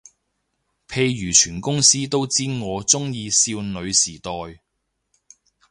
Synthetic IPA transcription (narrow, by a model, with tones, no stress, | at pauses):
pʰe˧jɥyː˨˩t͡ʃʰyː˨˩nkʊ˥ŋsiː˥t̪o˥wt͡siː˥ŋɔː˨˧t͡sʊ˥ŋjiː˧siː˧wnɵ˨˧ɥsiː˨˩t̪ɔː˨˧j